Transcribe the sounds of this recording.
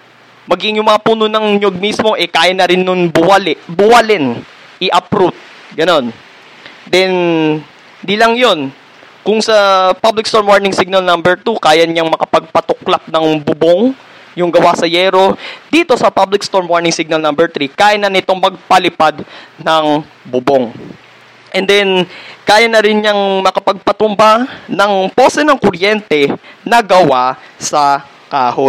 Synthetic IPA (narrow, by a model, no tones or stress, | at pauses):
mɐɡɪŋjʊŋmɐɐpuːnʊnɐŋɲoɡ̚mismo̞ʔɛkaːjɐnːɐɾɪnːʊŋbʊwɐlɛʔbʊwɐlɛn | ʔɪʔɐpɾut̪̚ | ɡɐno̞n | d̪ɛn | d̪ilɐŋjo̞n | kʊŋsɐpablɪkst̪o̞ɹmwaɹnɪŋsiɡ̚nɐlnɐmbɛɹt̪ukaːjɐɲɐŋmɐkɐpɐɡ̚pɐt̪ʊklap̚nɐŋbʊboŋ | jʊŋɡɐwasɐjɛːɾo̞d̪iːt̪o̞sɐpablɪk̚st̪o̞ɹmwaɹnɪŋsiɡ̚nɐlnɐmbɛɹt̪ɾikaːʔɪnːɐnɪt̪o̞ŋmɐɡ̚pɐlɪpad̪nɐŋ | bʊboŋ | ʔɛnd̪ɛnkaːjɐnɐɾɪnɲɐŋmɐkɐpɐɡ̚pɐt̪ʊmbanɐŋpoːsɛnɐŋkʊɾjɛnt̪ɛnɐɡɐwasɐ | kaːho